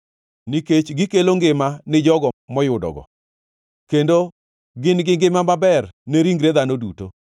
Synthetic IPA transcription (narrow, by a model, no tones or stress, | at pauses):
niket͡ʃɡɪkeloŋɡɪmanɪd͡ʒɔɡɔmɔjʊdɔ̰ɡɔ̰ | kendo | ɡɪnɡɪŋɡɪmamabɛrneɾiŋɡɾed̪anoduto